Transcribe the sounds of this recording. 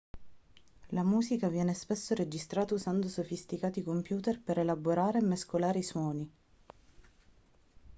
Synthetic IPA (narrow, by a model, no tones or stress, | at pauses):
lamuːsikavjɛːnespesːoɾed͡ʒist̪ɾaːt̪auzand̪osofist̪ikaːt̪ikompjuːt̪erpeɾelaboɾaːɾemːeskolaːɾeiswɔːni